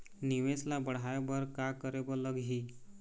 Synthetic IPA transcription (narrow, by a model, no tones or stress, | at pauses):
niʋeslabəɽ̤ajbəɾkakəɾebɔləɡɦi